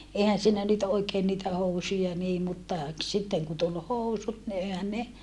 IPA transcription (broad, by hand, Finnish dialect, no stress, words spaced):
eˑihæn siːnæ nyt oikeːn niːtæ housujɑ niː mutːɑ k sitːeŋ ku tul housut ni ehæn ne